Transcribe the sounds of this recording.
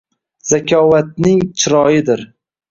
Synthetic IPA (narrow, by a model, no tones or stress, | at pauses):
z̥akʲʰɒvat̪̚nɪŋt͡ʃʰɪɾɒjɪd̪ɪɾ